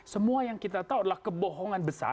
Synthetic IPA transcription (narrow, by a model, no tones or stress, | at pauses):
səmuajaŋkit̪at̪auadalahkəbɔɦɔŋanbəsa̰